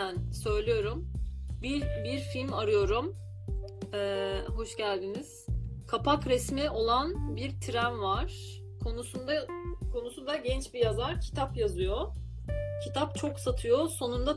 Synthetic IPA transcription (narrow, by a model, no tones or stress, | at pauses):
ænsø̞jlʲijo̞ɾumbibiɾfilʲmaɾɯjo̞ɾum | ɛːɦo̞ʃɟælʲd̪iniz̥kʰapakɾɛsmio̞lˠanbiɾt̪ʰiɾænvaɾ̥ | kʰonusud̪akʰo̞nusund̪aɟɛnt͡ʃbijazaɾcʰi̥t̪ʰapjazɯjo | cʰit̪ʰap̚t͡ʃʰo̞ksat̪ʰɯjo̞so̞nund̪a